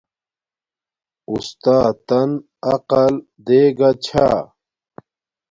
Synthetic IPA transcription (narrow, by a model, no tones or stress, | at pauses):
ust̪aːt̪ɐn | ɐqɐl | d̪eːɡɐt͡ɕʰaː